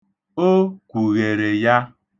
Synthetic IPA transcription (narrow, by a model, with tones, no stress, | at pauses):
o˦kʷu˨ɣe˨ɾe˨ja˦